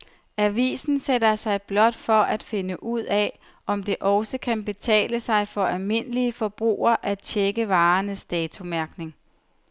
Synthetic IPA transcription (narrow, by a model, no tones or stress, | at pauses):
æʋḭːsn̩sedɐsɑ̈ɪb̥lɒ̽d̥fɒ̽ʔæd̥fe̝nəʔuð̞̰ˠɛ | ɒ̽md̥e̝ʔɒ̽ʊsəkʰænb̥e̝t͡sʰɛ̰ːləsɑ̈ɪfɒ̽ʔælme̝nəliəfɒ̽b̥ʁṵːɐʔæ̥t͡ɕʰeɡ̥əʋɑ̈ːnəsd̥ɛːt͡sʰumæɐɡ̥ne̝ŋ